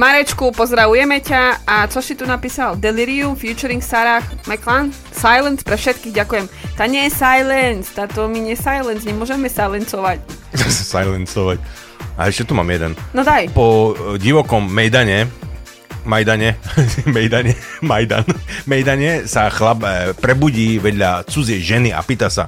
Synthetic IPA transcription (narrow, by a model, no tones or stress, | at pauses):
maɾɛt͡ʃkupɔzɾaʋujɛmɛcaat͡ʃɔsit̪unapiːsald̪ɛliɾiumfjut͡ʃɔɾiŋksaɾaxmɛklan | sajlɛnspɾɛfʃɛt̪kiːɣɟakujɛmt̪aːɲɛjɛsajlɛnst̪aːt̪ɔmiɲɛsajlɛnzɲɛmʊɔʒɛmɛsajlɛnsɔʋac | zasɛ̥sajlɛnt͡sɔʋac | a̰ɛʃcɛt̪umaːmjɛd̪ɛnnɔd̪ajpɔɟiʋɔkɔmːɛjd̪aɲɛ | majd̪aɲɛmɛjd̪aɲɛmajd̪a̰nmɛjd̪aɲɛsaxlabpɾɛbuɟiːʋɛd̪ʎat͡sud͡zɪɛjʒɛnia̰piːt̪asa̰